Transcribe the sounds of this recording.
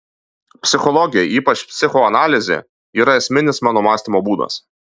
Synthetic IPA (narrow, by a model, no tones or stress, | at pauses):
pʲsʲɪxɔlˠɔɡʲɪjɛʔiːpɐt͡ʃpʲsʲɪxɔɐnɑːlʲɪzʲḛːˑ | iːɾɐɛsʲmʲɪnʲɪsmɑːnɔmɑːsʲt̪ʲimoːbuːd̪ɐ̰s